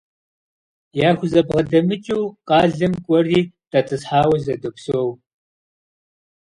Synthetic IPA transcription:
jaːxʷʊzɐbʁɐdɐmɨt͡ʃʼiwqɑːɮɐmkʷʼɔriːd̥ʰɐt͡sʼɨsħaːwɐzɐdɨpʷsow

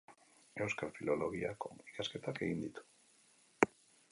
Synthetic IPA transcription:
e̞wskalfilo̞lo̞ɣiako̞̰ikaske̞t̪ake̞ɣind̪it̪u̥

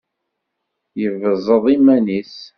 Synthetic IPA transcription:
jəvəzˤəðˤimænis

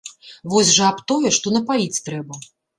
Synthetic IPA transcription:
vɔsʲʐɐapt̪ɔjɛʂt̪ɔnɐpajit͡sʲt̪ɾɛbɐ

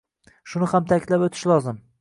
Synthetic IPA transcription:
ʃʊnɪhamt̪ʰakʲlapot̪ʰɪ̥ʃlˠɒzɪm

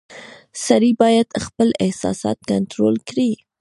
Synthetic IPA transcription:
saɾibɑjad̪xpəlɪhsɑ̰sɑ̰t̪̚kant̪ɾolkɾi

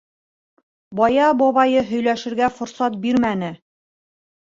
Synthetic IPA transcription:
bɒjɑbɒβɑjɤɦɵ̆jlæʃɘ̆ɾɡæfŏɾsɑt̪̚biɾmænɘ

